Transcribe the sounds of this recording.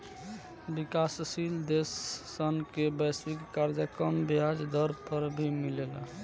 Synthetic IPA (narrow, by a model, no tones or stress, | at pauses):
bikassild̪esːənkebɛslikːaɾd͡ʒəkəmbjad͡ʒd̪əɾpəɾbʱimilela